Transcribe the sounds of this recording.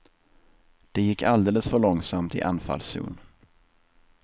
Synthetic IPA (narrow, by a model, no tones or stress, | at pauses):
d̪̥ɛjɪkːald̪eːləsfœɭɔŋsamt̪ɪ̰ʔanfa̰lsʉ̰ːn